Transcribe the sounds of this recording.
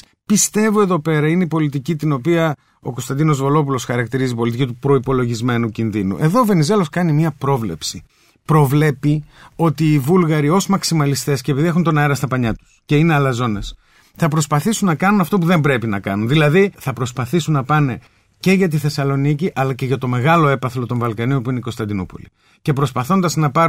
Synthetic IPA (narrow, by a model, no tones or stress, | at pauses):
pist̪e̞voe̞ðo̞pe̞ɾɐineipo̞lit̪icit̪ino̞piɐ | o̞ko̞st̪ɐnd̪ino̞zvo̞lo̞p̬ulo̞sxɐɾɐk̚t̪iɾizipo̞lit̪icit̪upɾo̞ipo̞lo̞ʝizme̞nucinðinṵʔe̞ðo̞ːve̞nize̞lo̞skɐnimiɐpɾo̞vle̞psi | pɾo̞vle̞pio̞t̪iːvulɣɐɾio̞zmɐksimɐlist̪e̞scepiðie̞xunt̪o̞nɐeɾɐst̪ɐpɐɲɐt̪u̥sce̞ine̞ɐlɐzo̞ne̞s | θɐp̬ɾo̞spɐθisunːɐkɐnunɐft̪o̞p̬uðe̞mbɾe̞pinɐkɐnunðilɐðiθɐpɾo̞spɐθisunːɐpɐne̞ | ce̞ʝɐt̪̬iθe̞sɐlo̞niciʔɐlɐce̞ʝɐt̪o̞me̞ɣɐlo̞e̞pɐθlo̞t̪o̞ɱvɐlkɐnio̞npuineiko̞st̪ɐnd̪inopo̰li | ce̞pɾo̞spɐθo̞nd̪ɐznɐpɐɾ